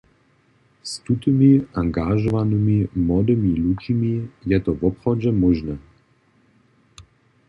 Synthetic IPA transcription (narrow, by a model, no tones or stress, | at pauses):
st̪ut̪imiaŋɡaʒɔvanɨmimɔd̪imilut͡ʃimijɛt̪ɔvɔpxɔd͡ʑɛmɔʒnɛ